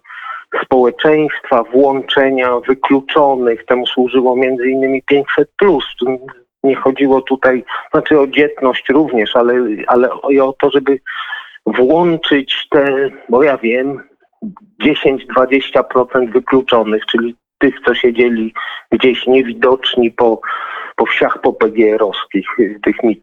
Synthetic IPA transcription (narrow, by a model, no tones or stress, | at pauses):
spɔwɛt͡ʂɛj̃st̪favwɔnt͡ʂɛɲavɘklut͡ʂɔnɘxt̪ɛmuswuʐɘwɔmʲjɛnd̪zɘinːɘmʲipʲjeɲt͡ɕsɛt̪̚plusft̪ | ɲɛxɔd͡ʑiwɔt̪ut̪aj̪znat͡ʂɘɔd͡ʑɛt̪nɔɕt͡ɕɾuvɲɛʂalɛa̰lɛɔiɔt̪ɔʐɛbɘ | vwɔnt͡ʂɘt͡ɕt̪ɛbɔjavʲjɛm | d͡ʑeɕeɲd͡ʑd̪vad͡ʑeɕt͡ɕapɾɔt̪sɛnd̪vɘklut͡ʂɔnɘxt͡ʂɘlʲi | t̪ɘxt̪sɔɕɛd͡ʑelʲiɡd͡ʑeɕɲɛvʲid̪ɔt͡ʂɲipɔpɔfɕaxpɔpɛɡʲɛɾɔskʲixt̪ɘxmʲi